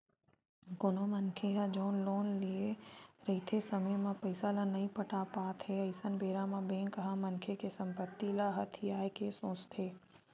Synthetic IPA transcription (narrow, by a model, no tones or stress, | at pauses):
ɡonomənkʰeɦad͡ʒoːnloːnlieɾɐɦit̪ʰesɐməjmãpɐɪsalanɐɦĩpəʈapaːt̪ɦɛɐɪsənbeːɾamãbẽːŋkəɦamɐnkʰekesɐ̃mpət̪ːilaɦɐt̪ʰɪjaːjkesõːt͡ʃt̪ʰeː